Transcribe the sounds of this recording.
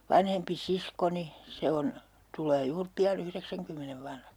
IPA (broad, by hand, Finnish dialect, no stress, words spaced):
ʋɑnhempi siskoni se on tulˑeː juːr piɑn yhreksæŋkymːeneʋ ʋɑnhɑks